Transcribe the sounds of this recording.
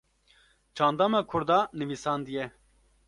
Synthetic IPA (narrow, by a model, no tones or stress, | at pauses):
t͡ʃʰɑːnd̪ɑːmɑkʰʊɾd̪ɑːnɨviːsɑːnd̪ijɛ